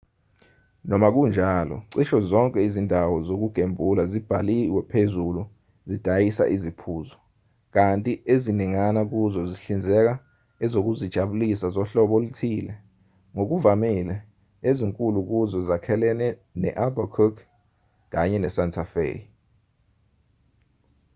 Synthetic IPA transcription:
nɔmak̬und͡ʒʱalɔ̰ǀiʃɔzɔŋkʼɛizindʱawɔzok̬uɡ̥ʱembʱulazib̥ʱaliwɛpʰezulu | zid̥ʱajisa̰ʔizipʰuːzɔ | k̬antʼieziniŋanak̬uzɔziɬind͡zʱɛk̬a | ɛzok̬uzid̥ʒ̥ʱaɓulisazɔɬɔɓɔlutʰiːlɛ | ŋok̬uvamilɛ | eziŋkʼuluk̬uzɔzakʰɛlɛnɛnɛ̰ʔabakʰɔk | k̬aɲɛnɛsantʰafḛ

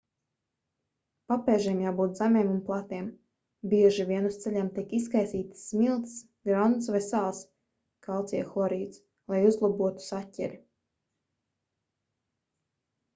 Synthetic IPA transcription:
papɛːʒiɛmjaːbuːt̪zamʲiɛmunplˠat̪iɛm | bʲiɛʒivʲiɛnust̪sɛlʲɛmt̪ikiskajsiːt̪smilˠt̪s | ɡɾand̪svɛsaːlˠs | kalˠt̪sʲiɛxˠɔɾiːt̪s | lˠajuzlˠubuɔt̪u̥satʲːɛ̰ɾʲi

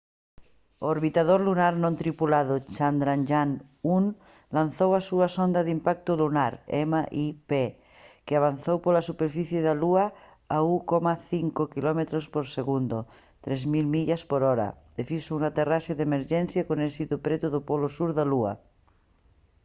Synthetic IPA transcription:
ooɾβit̪aðoɾlunaɾnõnt̪ɾipulaðot͡ʃand̪ɾanʒan | un | lan̟θowasuasond̪aðimpak̚t̪olunaɾemaʔipe | keaβ̞an̟θowpolasupeɾfiθjeðalua | aukɔmaθiŋkokilɔmet̪ɾospoɾseɣund̪o | t̪ɾezmilmiʎaspoɾɔɾa̰ | efisounat̪eraseðemeɾʒɛnθjakonesit̪opɾet̪uðopɔlosuɾðalua̰

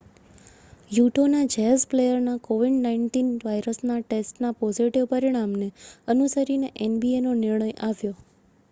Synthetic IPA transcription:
juʈʰonad͡ʒɛɦəzplejəɾnakoʋiɖnaiɳʈinʋajɾəsnaʈesʈnapɔziʈiʋpəɾiɽ̃amneənusəɾineʔenbienonɪɾɳəjʔaʋjo

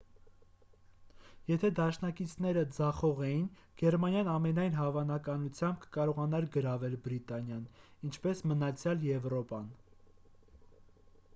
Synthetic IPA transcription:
jɛt̪ʰɛd̪ɑʃnɑkit͡sʰnɛɾəd͡zɑχɔʁɛjin | ɡ̥ɛɾmɑnjɑnɑmɛnɑjn̪ɦɑvɑnɑkɑnut͡sʰjɑmb̚kə̥kɑɾɔʁɑnɑɾɡəɾɑvɛlbɾit̪ɑnjɑnint͡ʃʰpɛsmənɑt͡sʰjɑljɛvɾɔpɑn

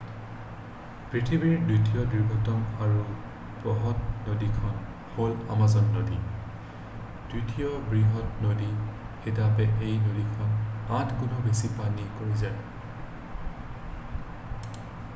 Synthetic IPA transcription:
pɹitʰibiɹditijɔdiɹbʱɔtɔmaɹu | pɹɔɦɔt̚nodikʰɔn | hola̰mazɔnːodi | d̥ɹitʰijɔbɹiɦɔtnodixetapɛʔejnodikʰɔnatʰɡunɔbesipanikoɹizaj

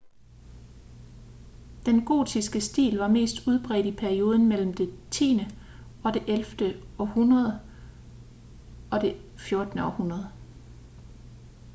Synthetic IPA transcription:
d̥enɡ̥o̝̰ːd̥ʰisɡ̥əsd̥ḭːlʋɑ̈me̝̰ːsd̥uð̞ˠb̥ʁɛ̰ːd̥ipʰæɐio̝ːð̞ˠn̩mel̰m̩d̥e̝t͡sʰḭːnə | ɒ̽d̥e̝ʔelfd̥əɒ̽hunʁɐð̞ˠ | ɒ̽d̥e̝fjo̝ɐd̥nəɒ̽hunʁɐð̞ˠ

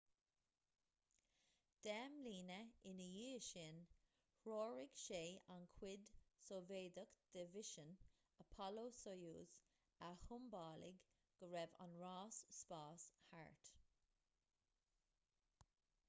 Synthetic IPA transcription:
d̪̥ɛmliːnəɪnəjiːʃɪn | ɹɔːɹɪɡ̥ʃeːankʰwɪd̪soveːd̪əkd̪̥əvɪʃən | əpʰɔloːsojuːz̥ | ahʊmbɑːlɪ̰ɡ | ɡ̥əɹɛva̰nɹaːsːpɑːsha̰ɹt̪

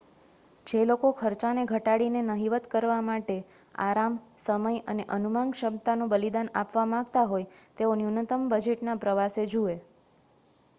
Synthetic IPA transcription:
d͡ʒelokokʰəɾt͡ʃaneɡʱəʈaɽinenəɦiʋət̪kəɾʋamaʈe | a̰ɾamsəməjə̰neʔənumaŋɡʃəbt̪anũbəlid̪ana̰pʋamãɡt̪aɦojt̪eonjunət̪əmbəd͡ʒeʈnapɾəʋased͡ʒue

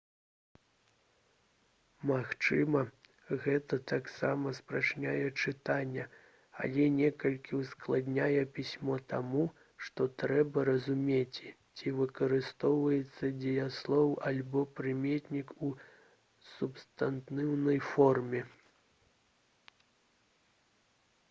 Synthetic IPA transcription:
maxt͡ʂɨmɐ | ɣɛt̪ɐt̪aksamɐspɾat͡ʂnʲajɛt͡ʂɨt̪anʲːɛ | a̰lʲɛnʲɛkɐlʲkʲiwsklˠad̪nʲajɛpʲisʲmɔt̪amu | ʂt̪ɔt̪ɾɛbɐɾɐzumʲet͡sʲ | t͡sʲivɨkɐɾɨst̪ɔwvɐjɛt̪sːɐd͡zʲɛjaslˠɔwalʲbɔpɾɨmʲet̪ʲnʲiku | supst̪ant̪nɨwnɐjfɔrmʲɛ

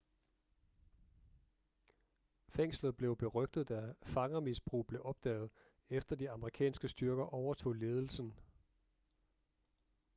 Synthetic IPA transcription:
feŋ̰slð̞̩ˠb̥le̝ʊb̥e̝ʁœɡ̥̚d̥ð̩ˠd̥æfɑ̈ŋɐmisb̥ʁṵːb̥le̝ʔɒ̽b̥̚d̥ɛ̰ːð̞̩ˠ | efd̥ɐd̥iɑ̈məʁikʰɛ̰ːnsɡ̥əsd̥yɐɡ̥ɐʔɒʊɐt͡sʰo̝̰ːle̝ːð̞ˠl̩sn̩

